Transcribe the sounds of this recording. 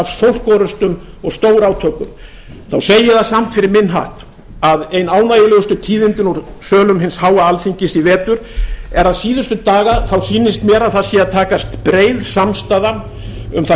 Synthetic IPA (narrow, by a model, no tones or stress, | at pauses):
avsowl̥kɔɾʏst̪ʏm | ɔɣst̪oːwɾaːwt̪ʰœːkʏm | θawsejɪθasam̥t̪fɪɾɪɾmɪnɦa̰ht̪ | aðejnaːwnajɪlœːɣʏst̪ʏt̪ʰiːðɪnt̪ɪnɔɾsœːlʏmɦɪnshaːwaalθiɲcɪsivɛːt̪ʏɾ̥ɛɾaðsiːðʏst̪ʏt̪aːɣaθawsiːnːɪst̪mjɛːɾaðθaðsjɛaðt̪ʰaːkast̪pɾeːjðsamst̪aða | ʏ̰mθa